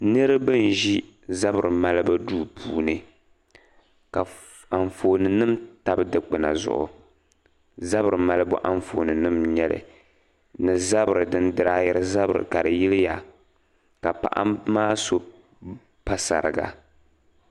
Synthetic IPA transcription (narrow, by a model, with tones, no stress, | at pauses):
nɨ˦ɾɨ˦bɨ˦n˨ʒi˦ | za˦bɨ˨ɾɨ˨ma˦lɨ˦ba˦duː˦˨pʰuː˦nɨ˦ | ka˨ | a˨ɱfoː˨nɨ˨nɨ˦mta˦bɨ˦dɨ˦k͡pɨ˨na̰˨zʊ̰˨ʔʊ̰˨ | za˦bɨ˨ɾɨ˨ma˦lɨ˦bʊ̰˦ʔa˦ɱfo˨nɨ˨nɨ˦mɲɛ˦lɨ̰˨ | nɨ˨za˦bɨ˨ɾɨ˨dɨ˦ndɨ˨ɾa˦jɛ˦ɾɨ˦za˦bɨ˨ɾɨ̰˨ka˨ɾɨ˨ji˦lɪ˦ja˨ | ka˨pa̰˨ʔa̰˦maː˦so˦ | pa˦sa̰˨ɾɨ̰˨ɡa̰˨